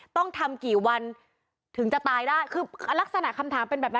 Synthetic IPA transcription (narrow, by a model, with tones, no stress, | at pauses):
t̪ɔ˥˩ŋt̪ʰa˧mkiː˨˩wa˧n | t̪ʰɯ˨˩˦ŋt͡ɕa˨˩t̪aː˧jdaː˥˩jkʰɯː˧la˦˥k̚sa˧na˨˩ʔkʰa˧mt̪ʰaː˩˦mpe˧nbɛː˨˩p̚na˦